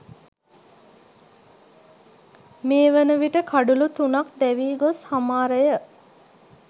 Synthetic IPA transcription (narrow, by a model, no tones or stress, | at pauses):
meːʋənəʋiʈəkʰaɖulut̪unakd̪ɛʋiːɡoshamaːɾəjə